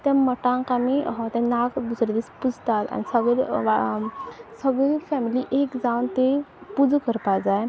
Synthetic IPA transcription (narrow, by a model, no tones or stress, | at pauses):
t̪ɛ̃məʈãŋkamiɦt̪ɛ̃nakd̪usɾed̪ispud͡zt̪at̪a̰nisəɡɭeʋa | səɡɭifɛmiliʔekd͡zawnt̪epud͡zkəɾpad͡zaj